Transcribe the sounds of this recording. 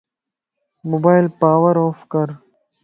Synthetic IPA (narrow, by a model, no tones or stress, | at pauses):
moːbaːjlpaːwɐɾoːfkɐɾ